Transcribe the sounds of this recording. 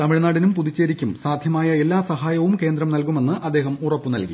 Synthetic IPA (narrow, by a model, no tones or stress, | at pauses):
t̪ɐmiɻnaːɽinumpuðit͡ɕːeːɾikʲːumsaːd̪ʱjɐmaːjɐe̞lːaːsɐɦaːjɐʋumke̞ːnd̪ɾɐmnɐlkume̞nːɨʔɐd̪ːe̞ːɦɐmurɐpːɨnɐ̰lkḭ